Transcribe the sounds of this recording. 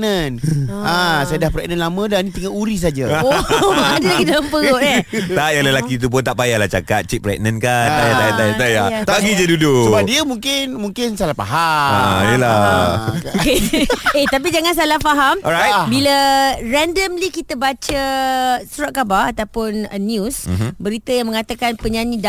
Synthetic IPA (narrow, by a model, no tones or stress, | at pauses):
nənasajadahpɾɛk̚nənlamə̃danĩt̪əŋaʔuɾis̬ad͡ʒaoadəlaɡid͡ʒaŋampəɾoʔɛajaləlakit̪̬up̬ʊnt̪aʔpajahlaht͡ʃakat̪̚t͡ʃik̚pɾɛ̰k̚nənkaajat̪ajt̪ajat̪ajat̪aɡid͡ʒadudʊsəbadiəmũŋkɪnmuŋkɪnsalahpaɦaaiəla | okeet̪ap̬id͡ʒaŋãns̬alahfaɦamɔɾajt̚biləɾɛndəmlikit̪abat͡ʃəsuɾaʔ̚kabaat̪apʊnənjusbəɾit̪ajaŋmə̃ŋat̪akanpəɲãnĩda